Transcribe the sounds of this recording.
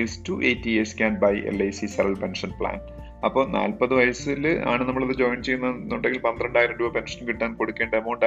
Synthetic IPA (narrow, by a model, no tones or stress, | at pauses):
istuːʔeːtːieskʲaːnbɐjʔḛlejsisɐɾɐlpenʂɐnpɭa̰ːn | ɐpːo̞ːna̰ːlpɐðɨʋɐjɐsila̰ːɳɨnɐmːɐɭɐðɨd͡ʑoːjmt͡ɕe̞jːunːɐnːuɳɖeŋɡilpɐnd̪iɾɐɳɖaːjiɾɐmɖuɐpe̞nʂɐnkiʈːaːnko̞ɽukʲːeːɳɖɐɐmːoɳɖaː